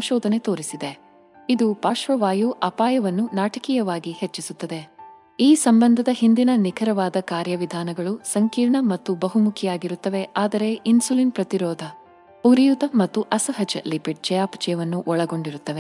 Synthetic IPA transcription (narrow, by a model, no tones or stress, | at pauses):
ɐmʃɔːd̪ʱɐne̞t̪oːɾisid̪e̞ | id̪upaːʃʋɐʋaːjuʔɐpaːjɐʋɐnːunaːʈɐkijɐʋaːɡihet͡ʃːisut̪ːɐd̪e̞ | iːsɐmbɐnd̪ʱɐd̪ɐɦind̪inɐnikʰɐɾɐʋaːd̪ɐkaːɾjɐʋid̪ʱaːnɐɡɐɭusɐŋkiːɾɳɐmɐt̪ːubɐɦumukʰijaːɡiɾut̪ːɐʋe̞ʔaːd̪ɐɾe̞ʔinsuliːnpɾɐt̪iɾɔːd̪ʱɐ | puɾijut̪ɐmɐt̪ːuʔɐsɐɦɐt͡ʃɐlipiʈ̚t͡ʃɛjaːpɐt͡ʃɐjɐʋɐnːuʔɔɭɐɡo̞ɳɖiɾut̪ːɐʋe̞